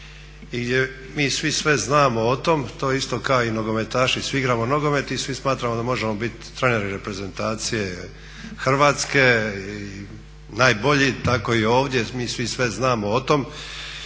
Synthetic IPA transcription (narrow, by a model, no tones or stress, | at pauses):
iɡd̪je | miːsʋisʋe̞znaːmoot̪o̞mt̪oːjeist̪o̞kaoinoɡo̞me̞t̪aːʃisʋiiɡɾamono̞ɡo̞me̞t̪isʋismaːt̪ɾamod̪amo̞ʒemo̞bit̪t̪ːɾene̞ɾiɾe̞pɾe̞ze̞nt̪aːt̪sije̞ | xr̩ʋaːt̪ske̞i | najbo̞ʎit̪ako̞io̞ːʋd̪ʲje̞miːsʋisʋe̞znaːmoot̪o̞m